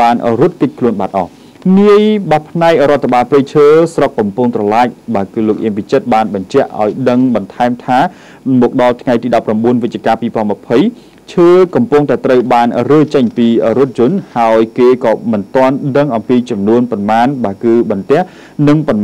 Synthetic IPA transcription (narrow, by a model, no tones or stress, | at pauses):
aːnrŭət̪̚kɨc̚kʰluənɓat̪̚ʔɑh | niəjɓapʰnaɛk̚rŏət̪ʰːaɓaːlprɨjt͡ɕʰəːsrokːɑmpʊŋt̪rɑlaːk̚ɓaːkɨːloːk̚ʔiəmpit͡ɕət̪̚ɓaːnɓɑɲt͡ɕɛ̆əʔːa̰ɔjɗəŋɓɑnt̪ʰaɛmt̪ʰaː | mɔːk̚ɗɑlt̪ʰŋajt̪iːɗɑpːramɓuənʋɨtc̚t͡ɕiəkaːpiːpɔ̆əlnmɨ̆əpʰəj | t͡ɕʰəːkɑmpʊŋt̪aɛt̪rəwɓaːnrəːt͡ɕəɲpiːɾŭət̪̚t͡ɕʊ̆ənhaɔjkeːkɑːmɨnt̪ŏənɗəŋʔɑmpiːt͡ɕɑmnuənpɑnmaːnɓaːkɨːɓɑnt̪ɛ̆əhh | nɨŋpɑn